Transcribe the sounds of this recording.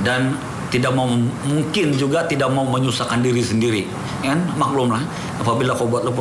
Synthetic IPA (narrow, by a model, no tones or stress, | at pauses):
dan | t̪idak̚maumuŋkɪnd͡ʒuɡat̪idak̚mauməɲusakandiɾisəndiɾi | janmak̚lʊmlah | apabilakawbuat̪ləpu